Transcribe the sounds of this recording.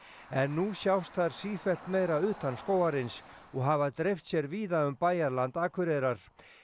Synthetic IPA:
ɛnːusjawst̪θaɾ̥siːfɛl̥t̪mejɾaʏːt̪anskoːwaɾɪns | ɔɣɦavaðt̪ɾejft̪sjɛɾviːðaʏmpaːjaɾlant̪aːkʰʏɾeɾaɾ̥

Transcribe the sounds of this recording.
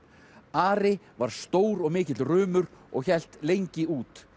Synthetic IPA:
aːɾɪ | vaɾ̥st̪oːwɾɔɣmɪːcɪt̪lrʏːmʏɾɔ̰ɣçɛl̥t̪lejɲcɪuːt̪

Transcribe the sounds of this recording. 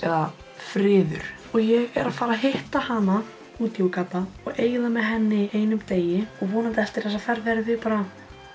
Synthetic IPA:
ɛ̰ða | fɾɪːðʏ̰ɾ̥ | ɔɣjɛɣɛ̰ɾaðfaːɾaɦɪht̪ahana | uːt̪jowkapaɔɣeːjðamɛðɦɛnːɪieːjnʏmt̪eːjɪɔɣvɔːnat̪ɛlt̪ɪɾ̥θɛs̬afɛɾvɛɾðɪpaːɾa

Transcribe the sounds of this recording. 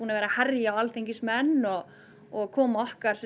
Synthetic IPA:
unavɛːɾahɛɾjaːwalθejɲcɪsmɛnːɔɣ | ɔɣkʰɔːmaɔhkaɾ̥s

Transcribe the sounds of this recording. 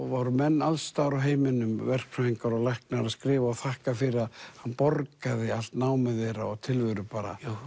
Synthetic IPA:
vɔɾʏmɛnːalsːt̪aːɾawɦeːjmɪnʏmvɛr̥kfaiŋkaɾɔɣlɛhknaɾaðskɾɪːvaɔwθahkafɪɾɪaðhanːpɔɾkaðɪal̥t̪naːwmɛðeɾaɔɣt̪ʰɪlvʏɾʏpaːɾa̰

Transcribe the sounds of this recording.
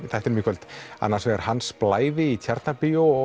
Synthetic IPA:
θajht̪ɪɾmɪːkʰvœlt̪a̰nːaɾ̥svɛɣaɾ̥hansplaːjðɪit̪ʰjaɾt̪napiʊ

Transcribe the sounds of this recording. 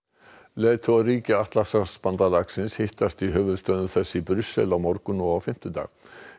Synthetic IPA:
leːt̪ʰɔariːcɪaht̪lasaspant̪alaksɪnshɪht̪ast̪iɦœːvʏðst̪œðʏθɛsːipɾʏsːɛ̰lawmɔɾkʏnɔawfɪm̥t̪ʏt̪a̰ːɣ

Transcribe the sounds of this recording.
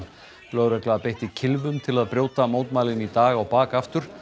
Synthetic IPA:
lœɣɾœklaaðpejht̪ɪcʰɪlvʏmt̪ʰɪlaðpɾjoːwt̪amoːwt̪maːlɪnit̪aːɣawpaːkaft̪ʏɾ̥

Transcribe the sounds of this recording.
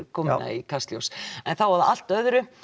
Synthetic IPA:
kʰɔːmna̰ikʰast̪ljo̰wsɛnθawvaɾðaʔal̥t̪œðɾʏ

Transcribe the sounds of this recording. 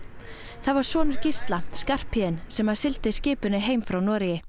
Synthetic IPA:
θaðvaɾ̥svɔːnʏɾ̥cist̪laskar̥pʰhɪːðɪnsɛmaðsɪlt̪ɪscɪːpʏnɪɦeːjmfɾawnɔːɾɪjɪ

